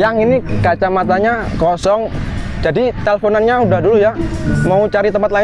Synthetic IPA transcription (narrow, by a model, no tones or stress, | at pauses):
jaŋinikat͡ʃamat̪aɲakɔsɔŋd͡ʒadit̪elefonanɲaudahdulujamaut͡ʃaɾit̪əmpat̪̚la